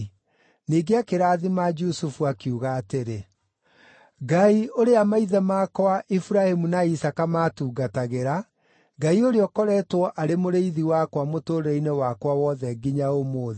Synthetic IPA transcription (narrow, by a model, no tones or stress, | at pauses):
niːɡeakeɾaːðimad͡ʒusufuakjuɣaːteɾe | ɡaioɾeamaiðɛmaːkɔaʔifuɾahemunaisakamaːtuːɡataɣeɾa | ɡaioɾeɔkɔɾɛːtwɔʔaɾemoɾeiðiwakwamotoːɾɛinewakwawɔːðɛɡiɲaomoːð